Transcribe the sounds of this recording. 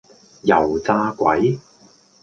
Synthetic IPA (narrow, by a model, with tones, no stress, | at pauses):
jɐ˨˩wt͡saː˧kʷɐ˨˥j